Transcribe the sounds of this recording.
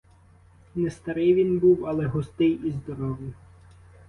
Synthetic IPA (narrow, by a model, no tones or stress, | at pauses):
nɛst̪ɐɾɪjʋʲinbuwɐlˠɛɦɔst̪ɪjizd̪ɔɾɔʋjɪ